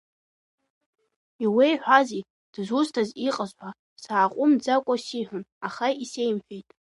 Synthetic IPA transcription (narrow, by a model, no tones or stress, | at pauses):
iwejħʷazi | d̥zustʰaziqʼəzħʷa | saːqʷʼʊmd͡zakʷʼasiħʷʊnaχaisejmħᶣejtʼ